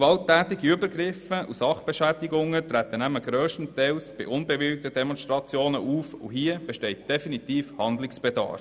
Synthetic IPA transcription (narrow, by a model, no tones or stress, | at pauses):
ʋɑlt̪æːt̪ɪɡiybəɾɡɾɪfəʔusɑχb̥eʃæːdɪɡʊŋːət̪ɾæt̪ːənæməɡ̥ɾøːʃtən̩t̪ɛlsb̥ɪ̰ʔʊnbeʋɪlk̚t̪ədɛmɔnʃtɾɑt͡sjoːnəʔuːfṵɦiəb̥ɛʃtɛɪt̚d̥ɛfinit̪iːfhɑnd̪lɪksb̥ed̪ɑ̰ːɾ